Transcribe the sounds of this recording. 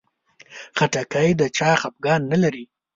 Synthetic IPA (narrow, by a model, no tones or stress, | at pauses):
xaʈakajd̪ət͡ʃɑxap̚ɡɑnːalaɾi